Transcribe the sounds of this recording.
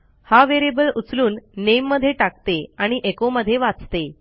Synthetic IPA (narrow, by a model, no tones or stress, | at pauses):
haʋeɾebəlut͡sluːnːemːəd̪ʱːjeʈakt̪eaɽ̃iʔekoməd̪ʱːjeʋat͡st̪e